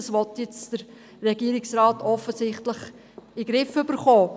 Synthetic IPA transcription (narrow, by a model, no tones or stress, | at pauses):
sʋɔtjɪt͡sd̥əɾː | ɛɡiːɾɪksrɑːtɔfəsɪχtləχ | iɡɾɪfʏb̥əɾχoː